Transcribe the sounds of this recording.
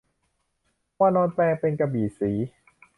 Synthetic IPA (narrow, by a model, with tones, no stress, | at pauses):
aː˧nɔː˧nt̪ɛː˧ŋpe˧nka˧biː˨˩siː˩˦